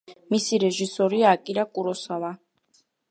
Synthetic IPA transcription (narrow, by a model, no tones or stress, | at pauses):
misiɾɛʒisɔɾiaːkʼiɾakʼuɾɔsava